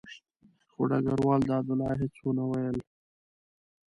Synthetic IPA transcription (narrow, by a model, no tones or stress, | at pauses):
xoɖa̰ɡaɾwɑːld̪əad̪ʊlɑɦɪt͡swonawajəl